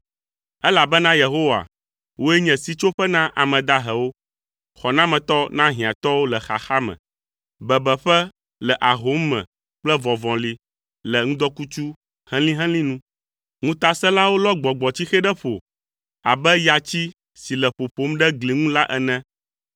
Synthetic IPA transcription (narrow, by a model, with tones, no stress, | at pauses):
ɛ˦la˨bɛ˦nã˦je˨ɦo˦wa̰˨ | wo˦ɛ˦ɲɛ̃˨si˦t͡ʃo˦ɸɛ˦nã˦ʔa̰˨mɛ̃˨d̪a˦ɦɛ˨wo˦ | xɔ˨nã˦mɛ̃˨t̪ɔ˦nã˦ɦĩ˨a˨t̪ɔ˦wo˦lɛ˨xa̰˨xa˦mɛ̰̃˨ | bɛ˨bɛ˨ɸɛ˦ | lɛ˨ʔa˨ɦo˨˦mːɛ̰̃˨ | k͡plɛ˦vɔ̃˨vɔ̃˨li˨ | lɛ˨ŋũ˦d̪ɔ˦ku˦t͡ʃu˦ | hɛ̃˦lĩ˦ɦɛ̃˦lĩ˦nũ˦ | ŋũ˦t̪a˨sɛ̃˦la˦wo˦lɔ˦ɡ͡bɔ˨ɡ͡bɔ˨t͡ɕi˦xɛ˦ɖɛ˦ɸo̰˨ | a̰˨bɛ˦ja˨t͡ɕi˦ | si˨lɛ˨ɸo˨ɸo˨˦mɖɛ˦ɡli˨ŋũ˦la˦ʔɛ˨nɛ̃˦